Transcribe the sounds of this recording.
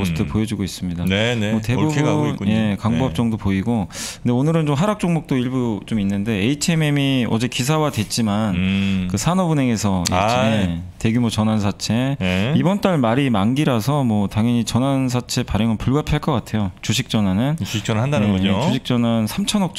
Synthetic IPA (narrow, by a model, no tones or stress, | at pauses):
osʰɯtʰɯpojʌd͡ʑuɡois͈ɯmɲidannemʌte̞bubnje̞kaŋbuɦap̚t͡ɕ͈ʌŋdopoiɡokɯndeonɯɾɯnt͡ɕomɦaɾak̚t͡ɕ͈oŋmok̚t͈oiɭbut͡ɕominːɯnde̞eit͡ɕʰeme̞miʌd͡ʑe̞kis̬ʰawadwe̞t͡ɕ͈imankɯsʰanʌbune̞ɡe̞sʰʌ̰ete̞ɡjumot͡ɕʌnansʰat͡ɕʰe̞ibʌnt͈aɭmaɾimanɡiɾasʰʌmwʌtaŋjʌɲit͡ɕʌnans̬ʰat͡ɕʰe̞paɾjʌŋɯnpuɭɡapʰiaɭk͈ʌk͈atʰe̞jot͡ɕuɕʰik̚t͡ɕ͈ʌnanɯnt͡ɕuɕikt͡ɕ͈ʌnandanɡʌot͡ɕuɕʰik̚t͡ɕ͈ʌnansʰamt͡ɕʰʌnʌk̚t͡ɕ